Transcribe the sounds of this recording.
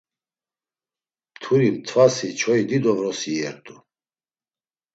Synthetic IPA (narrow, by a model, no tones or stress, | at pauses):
mt̪ʰuɾimt̪ʰvasit͡ʃʰɔid̪id̪ɔvɾɔsiɛɾt̪ʼu